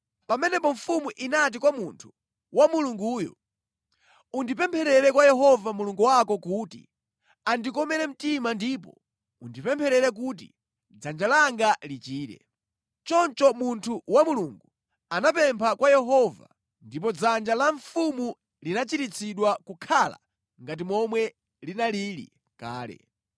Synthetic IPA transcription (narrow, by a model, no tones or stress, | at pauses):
pamɛnɛpɔɱfumuʔinat̬ikwamuntʰu̥ | wamuluŋɡuːjɔ̰ | undipɛmpʰɛɾɛɾɛkwajɛɦɔvamuluŋɡuwakɔkuːtḭ | andikɔmɛɾɛm̩timandipɔ̰ | undipɛmpʰɛɾɛɾɛk̬ut̬ḭ | d͡zand͡ʒalaŋɡalit͡ʃiːɾɛ̰ | t͡ʃɔnt͡ʃɔmuntʰuwamuluŋɡu | anapɛmpʰakwajɛɦɔva̰ | ndip̬ɔd͡zand͡ʒalaɱfumu | linat͡ʃitit͡sʰiɗwakukʰala̰ | ŋɡat̬imɔmwɛ | linaliɾḭ | ka̰ːlɛ̰